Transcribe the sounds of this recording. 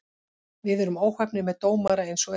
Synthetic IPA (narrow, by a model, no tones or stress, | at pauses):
vɪðɛɾʏmoːwhɛpnɪmɛðt̪oːwmaɾaejnsɔɛ